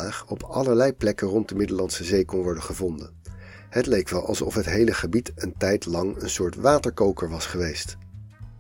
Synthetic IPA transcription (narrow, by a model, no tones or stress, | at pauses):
aːχɔpʰɑləɹlɛjplɛkənrɔnt̚dəmɪdəlɑnsəzejkɔnʋɔɹdəχəvɔndən | hətlejk̚ʋɛlˠʔɑ̰lˠsɔ̰fɦətɦejləχəbitəntɛjtlɑŋənsʊːɹtʋaːtəɹkowkəɹʋɑsχəʋejst